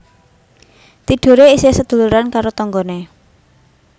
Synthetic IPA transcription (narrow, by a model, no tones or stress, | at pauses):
t̪iɖ̥o̤ɾeisesəd̪̥ṳluɾankaɾot̪ɔŋɡɔne